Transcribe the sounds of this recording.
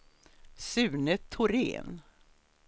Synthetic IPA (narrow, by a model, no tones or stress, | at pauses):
sʉ̟ːnət̪ʰːʊɾḛːn